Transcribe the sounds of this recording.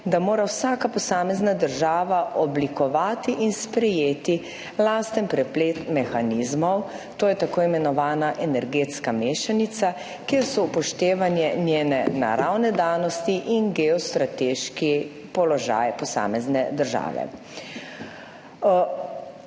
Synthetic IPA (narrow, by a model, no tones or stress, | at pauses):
d̪amoːɾawsaːkapɔsaːmɛznad̪əɾʒaːʋaʔɔblikɔʋaːt̪iʔinspɾɛjeːt̪i | laːst̪ɛnpɾɛpleːt̪mɛxanizmɔw | t̪oːjɛt̪akoːjimɛnɔʋaːnaʔɛnɛɾɡeːt̪skameːʃanit̪sa | kjeːɾsɔupɔʃt̪eːʋanjɛnjeːnɛna̰ɾawnɛd̪aːnɔst̪iʔinɡɛɔst̪ɾat̪eːʃki | pɔlɔʒa̰ːjpɔsa̰ːmɛznɛd̪əɾʒa̰ːʋɛ̰